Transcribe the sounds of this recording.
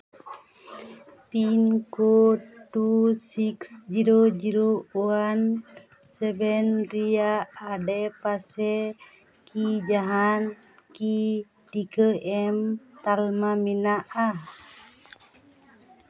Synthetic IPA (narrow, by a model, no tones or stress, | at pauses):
pinkoʈusiksd͡ʒiɾod͡ʒiɾouan | sɛbɛnɾiaːɖɛpasɛ | kʰid͡ʒaɦan | ki | tikəɛmt̪almaminaʔa